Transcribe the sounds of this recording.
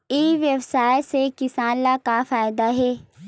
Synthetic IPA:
iːʋjəwsaːjsekɪsaːnlakafaːjd̪aɦɛː

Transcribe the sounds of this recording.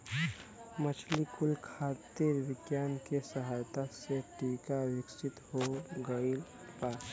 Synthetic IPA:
mət͡ʃʰlikulkʰat̪iɾʋɪkjankesəɦajt̪aseʈikawɪksit̪hoɡəil | pas

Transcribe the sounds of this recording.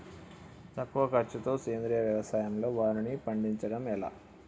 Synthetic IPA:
t̪ɐkːuʋɐkɐɾt͡ʃːut̪o̞ːkeːnd̪ɾiːjɐʋjɐʋɐsaːjɐmlo̞ːʋaːɾinipɐɳɖiɲt͡ʃɐɽɐmɛla̰ː

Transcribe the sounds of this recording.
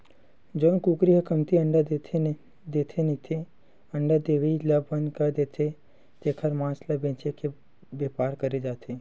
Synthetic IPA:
d͡ʒoːnkuːkɾiɦəkəmt̪iə̃ɳɖ̪ʰ | d̪eːt̪ʰenit̪ʰe | ɐ̃ɳɖəd̪eːʋeilɐbːɐnkɐɾd̪eːt̪ʰe | t̪eːkʰəɾmãːslɐbẽːt͡ʃeke | beːpaːɾkɐɾed͡ʒaːt̪ʰeː

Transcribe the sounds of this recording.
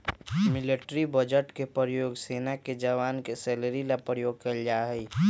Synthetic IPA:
mɪleʈɾibəd͡ʒəʈkepɾjoːɡseːnaked͡ʒəʋaːnkesɛːləɾilapɾəjoːɡ̚kəld͡ʒaːɦɛi

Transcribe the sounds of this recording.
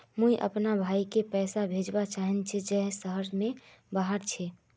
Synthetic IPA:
mũiʔə̰pnabʱaːikepɛːsabʱed͡ʒbat͡ʃaɦint͡ʃʰid͡ʒɛɦsəɦəɾmẽbaɦəɾt͡ʃʰɛ

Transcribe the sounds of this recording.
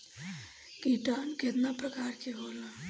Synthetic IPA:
kiʈanket̪napɾəkaːɾkeɦola

